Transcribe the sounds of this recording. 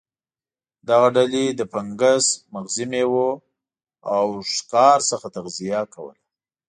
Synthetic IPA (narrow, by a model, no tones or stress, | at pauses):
d̪aɣaɖaled̪əpaŋɡasmaɣzɪmewo | awʂkɑɾsəxat̪aɣzijakawə̰la